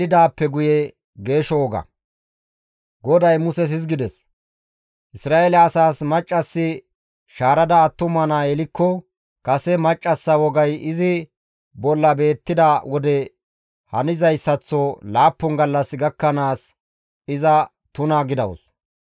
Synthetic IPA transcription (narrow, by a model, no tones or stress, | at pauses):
dɪd̪aːpːɛɡʊjɛ | ɡe̞ːʃɔwɔɡɐ̰ | ɡɔd̪ɐjmʊsɛs̬ɪzɡɪd̪ɛs | ʔɪsɾaːʔelɛɐsaːsmɐt͡ʃʼːɐsːɪ | ʃaːɾɐd̪ɐːt̪ːʊmɐnaɛlɪkːɔ | kɐsɛmɐt͡ʃʼːɐsːɐwɔɡɐjɪzɪ | bɔlːɐbe̞ːt̪ːɪd̪ɐwɔd̪ɛ | hɐnɪzɐjsːɐt͡sːɔlaːpːɔŋɡɐlːɐsɡɐkːɐnaːs | ɪzɐ | t̪ʊnaɡɪd̪ɐwʊ̰s